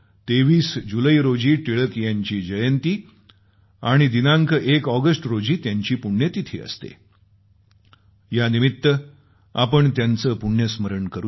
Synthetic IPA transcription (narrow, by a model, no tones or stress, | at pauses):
t̪eʋiːsd͡ʑuləiɾod͡ʑiːʈiɭəkijaɲt͡ɕiːd͡ʑəjənt̪iː | aɽ̃id̪inãŋkekɔɡəsʈɾod͡ʑiːt̪jaɲt͡ɕiːpuɳjət̪it̪ʰḭːə̰st̪ḛ | janimit̪ːə | a̰pəɳt̪jant͡səːpuɳjəsməɾəɳkəɾu